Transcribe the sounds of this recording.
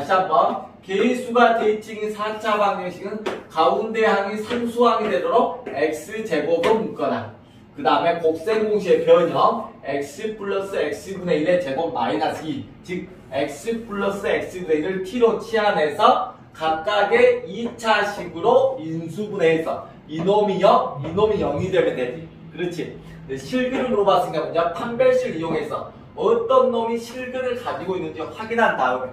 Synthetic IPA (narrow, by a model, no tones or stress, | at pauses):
aɕʰamʌnkeisʰuɡateit͡ɕʰiŋisʰat͡ɕʰabaŋʌŋɕʰiɡɯnkaunde̞ɦaŋisʰaŋsʰuɦaɡedwe̞doɾoɡ̚ek̚s͈ɯt͡ɕe̞ɡoɡomuk͈ʌda | kɯdaɯme̞kok̚s͈e̞ŋɡoŋɕ̬ʰie̞pjʌɲʌek̚s͈ɯpʰuɭːʌs͈ɯek̚s͈ɯbune̞iɾe̞t͡ɕe̞ɡoma̰ɾinasi | t͡ɕik̚ | ek̚s͈ɯpʰuɭːʌs͈ɯe̞k̚s͈ɯbune̞iɾɯɭtʰiɾot͡ɕʰiɦane̞sʰʌ | kak̚k͈aɡe̞it͡ɕʰaɕʰiɡɯɾoinsʰubune̞ːs͈ʰʌ̰ | inomijʌinomijʌŋidemɯned͡ʑi | kɯɾʌt͡ɕʰi | deɕʰiɭɡɯɾɯmuɾobas͈ʰinŋɡaboɲapʰanbjeɕ͈ʰɯɾijoŋe̞sʰʌ | ʌt͈ʌnːomiɕʰiɭɡɯɾɯɭkad͡ʑiɡoinːɯnd͡ʑiɸwaɡinɦandaɯo